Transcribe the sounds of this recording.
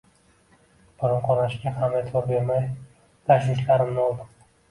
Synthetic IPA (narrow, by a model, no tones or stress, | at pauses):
b̥ʊɾɪmqʰɒɾaʃɡʲahamet̪ʰoɾbeɾmaj | d̪̥aʃɪʃlaɾɪmnɪɒlˠd̪ɪm